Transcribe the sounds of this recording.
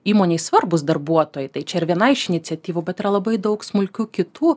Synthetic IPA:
iːmoːnʲeɪsʋɐrbʊsd̪ɐɾbuɔt̪oːjɛɪt̪ɐɪt͡ʃʲɛɪɾʋʲiɛnɐɪɪʃɪnʲɪtt͡s̪ʲɛt̪ʲiːʋubʲɛt̪ɪɾɐlˠɐbɐɪd̪ɐʊksmʊlʲkʲuːkʲɪt̪uː

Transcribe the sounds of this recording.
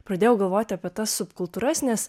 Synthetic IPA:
pɾɐd̪ʲeːjɛʊɡɐlˠʋoːt̪ʲɪɐːpʲiɛt̪ɐsːʊpkʊlˠt̪uːɾɐsʲnʲɛs

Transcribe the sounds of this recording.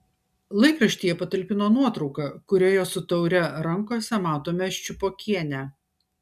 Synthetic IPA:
lˠɐɪkɾɐʃʲt̪ʲiːjɛpɐt̪ɐlʲpʲɪnoːnuɔt̪ɾɒʊkɑkʊɾʲoːjoːsʊt̪ɐʊɾʲɛɾɐŋkoːsʲɛmɑːt̪oːmʲɛʃʲt͡ʃʲʊpoːkʲʰiɛnʲæ

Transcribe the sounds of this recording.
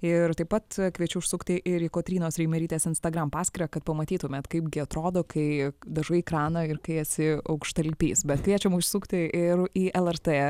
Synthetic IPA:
ɪɾt̪ɐɪpɐt̪kʋʲiɛt͡ʃʲʊʊʃsʊkt̪ʲɪʔɪɾiːkoːt̪ʲɾʲiːnoːsɾʲɛɪmʲɛɾʲiːt̪ʲeːsɪnst̪ɐɡɾɐmpɑːsʲkʲɪɾʲɐkɐt̪̚pɐmɐt̪ʲiːt̪ʊmʲɛt̪kɐɪpɡʲɪɐt̪ɾoːd̪oːkʰɐɪd̪ɐʒɐɪkɾɑːnɐɪɾkɐɪɐtʲsʲɪɐʊkʃt̪ɐlʲpʲḭːsbʲɛt̪kʋʲiɛt͡ʃʲɛmʊʃʲsʊkt̪ʲɪʔɪɾiːʔɛlˠɛrt̪eː

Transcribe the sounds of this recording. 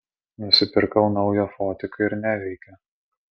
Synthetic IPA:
nʊsʲɪpʲɪɾkɐʊnɒʊjoːfɔːt̪ʲɪkɐɪɾnʲæʋʲɛɪkʲɛ

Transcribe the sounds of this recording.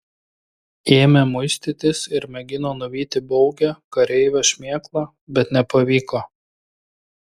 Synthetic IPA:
eːmʲɛmʊɪsʲt̪ʲɪt̪ʲɪsɪɾmʲɛɡʲɪnoːnʊʋʲiːt̪ʲɪbɔʊɡʲɛkɐɾʲɛɪʋʲoʃʲmʲeːklˠɑ | bʲɛt̪nʲɛpɐʋʲiːkoː

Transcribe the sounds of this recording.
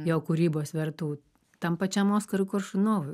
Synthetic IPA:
joːkuɾʲiːboːsʋʲɛɾt̪uː | t̪ɐmpɐt͡ʃʲɛmoːskɐɾʊkʊrʃʊnoːʋʊ

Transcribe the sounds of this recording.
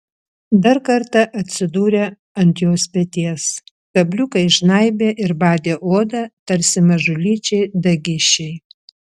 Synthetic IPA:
d̪ɐɾkɐɾt̪ɐʔɐt̪ʲsʲɪd̪uːɾʲe | ɐnʲt̪ʲjoːspʲɛt̪ʲiɛs | kɐbʲlʲʊkɐɪʃnɐɪbʲeːʔɪɾbɑːd̪ʲeːʔoːd̪ɐt̪ɐɾʲsʲɪmɐʒʊlʲiːt͡ʃʲɛɪd̪ɐɡʲɪʃʲɛɪ

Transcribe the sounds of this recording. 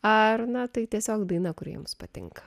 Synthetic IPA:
ɐrnɐt̪ɐɪt̪ʲiɛsʲoːkd̪ɐɪnɐkʊɾʲḭɛmʊspɐt̪ʲɪ̰ŋkɐ̥

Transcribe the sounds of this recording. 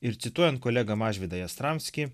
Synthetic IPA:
ɪɾt̪sʲɪt̪uɔjɛnt̪̚kɔlʲɛɡɐmɑːʒʲʋʲɪd̪ɐjɐst̪ɾɑmʲsʲkʲɪ

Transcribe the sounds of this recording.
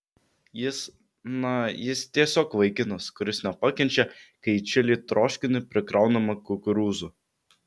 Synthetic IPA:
jɪs | nɐjɪst̪ʲiɛsʲoːkʋɐɪkʲɪnɐskʊɾʲɪsnʲɛpɐkʲɛnʲt͡ʃʲɛkɐɪt͡ʃʲɛlʲiːt̪ɾoːʃʲkʲɪnʲɪpʲɾʲɪkɾɐʊnɐmɐkʊkʊɾuːzu

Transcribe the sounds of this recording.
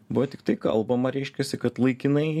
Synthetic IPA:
bʊʋɐt̪ʲɪkt̪ɐɪkɐ̰lˠbɐmɐɾʲɛɪʃʲkʲɛsʲɪkɐt̪lˠɐɪkʲɪnɐɪ

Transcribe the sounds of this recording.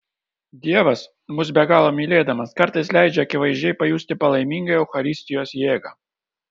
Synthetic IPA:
d̪ʲeʋɐs | muzʲbʲɛɡalˠɔmʲilʲed̪ɐmɐskaɾt̪ɐjsʲlʲæjd͡ʒʲɛkʲɪʋɐjʒʲejpɐjusʲt̪ʲɪpɐlˠɐjmʲiŋɡɐjɛwxɐɾʲisʲt̪ʲɪjɔsʲjeɡɐ

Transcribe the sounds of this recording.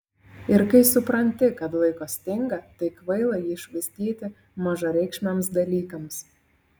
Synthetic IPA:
ɪɾkɐɪsʊpɾɐnʲt̪ʲɪkɐt̪lˠɐɪkoːsʲt̪ʲɪŋɡɐt̪ɐɪkʋɐɪlˠɐjiːʃʋɐɪsʲt̪ʲiːt̪ʲɪ | mɑʒɐɾʲɛɪkʃʲmʲɛmsd̪ɐlʲiːkɐms

